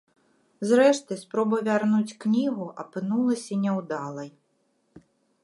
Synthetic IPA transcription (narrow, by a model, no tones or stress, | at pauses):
zɾɛʂt̪ɨjspɾɔbɐʋʲarnut͡sʲknʲiɦʊʔɐpɪnulˠɐsʲɐnʲɛwd̪ɑlˠɐj